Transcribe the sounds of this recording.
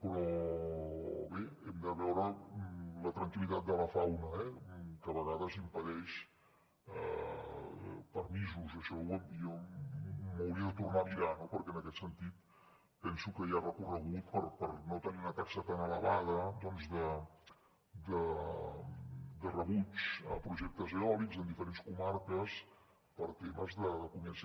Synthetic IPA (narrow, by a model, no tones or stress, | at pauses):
pɾɔ | βeɛmd̪əβɛwɾə | lət̪ɾəŋkilit̪at̪̚d̪ələfawnəɛkəβəɣaðəzimpəðɛʃ | pəɾmizuzəʃɔwɛmjɔ | məwɾiəðət̪urnamiɾanopəɾkɛənəkɛt̪sənt̪it̪̚ | pɛnsukəjarəkurəɣut̪̚pəɾpəɾnot̪əniunət̪aksət̪anələβað̞əd̪ɔnzðə | d̪ə | d̪ərəβut͡səpɾuʒɛk̚t̪əzeɔlikzənd̪ifəɾenskumaɾkəs | pəɾt̪eməzðəðəkumɛns